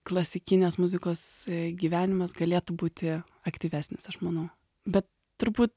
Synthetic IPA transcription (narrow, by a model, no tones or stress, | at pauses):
klˠɐsʲɪkʲɪnʲeːsmʊzʲɪkoːsɡʲiːʋʲæːnʲɪmɐsɡɐlʲeːt̪ubuːt̪ʲɪ | ɐkt̪ʲiːʋʲæːsʲnʲɪsɐʃmɐnɐʊ | bʲɛt̪ | tːʊɾbuːt̪